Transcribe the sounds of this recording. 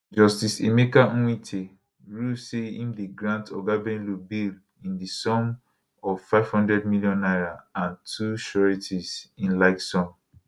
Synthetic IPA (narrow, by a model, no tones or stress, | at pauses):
d͡ʒɔstisḛmekawĩtʰe | ɹuseḭ̃mdiɡɹãntɔɡabɛ̃nlubil | ĩndisɔ̃m | ɔv̥faɪv̥hɔ̃ndɹɛd̚miljɔ̃nːaɪɹaãntʰuʃɔɹitʰizĩnlaɪksɔ̃m